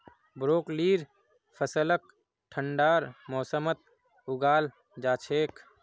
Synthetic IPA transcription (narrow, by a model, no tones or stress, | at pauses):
bɾoːkliːɾ | pʰəsələk̚ | ʈʰəɳɖaːɾmɔːsəmət̪̚ | ʊɡaːl | d͡ʒaːt͡ʃʰeːk